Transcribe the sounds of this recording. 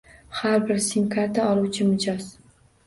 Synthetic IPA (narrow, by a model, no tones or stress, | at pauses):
haɾbɪɾsɪmkʰaɾt̪ʰaɒlˠuwt͡ʃʰɪmʊd͡ʒɒz̥